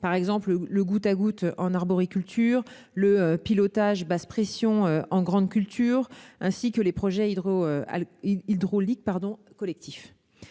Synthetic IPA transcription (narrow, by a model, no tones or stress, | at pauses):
paʁɛɡzɑ̃plələɡut̪aɡut̪ʔɑ̃naʁbɔʁikʲylt̪ʰyːʁ | ləøpilɔt̪aʒbaspχesjɔ̃øɑ̃ɡʁɑ̃d̪kʲylt̪ʰyːʁɛ̃sikəlepχɔʒɛioø̰ | id̪ʁolik̚paʁd̪ɔ̃kɔlɛk̚t̪ʰif